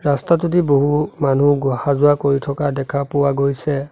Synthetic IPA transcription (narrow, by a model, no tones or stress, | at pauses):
ɹastat̬utiboɦumanuɡɔhazʊakoɹitʰɔkadɛkʰapʊwaɡojsɛ